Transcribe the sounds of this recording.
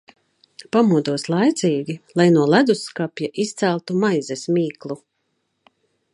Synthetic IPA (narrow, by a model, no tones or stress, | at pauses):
pamuɔd̪uɔslˠajt̪sʲiːɡʲilˠajnuɔlˠæd̪usːkapʲjaʔist̪sælˠt̪umajzɛsmiːklˠu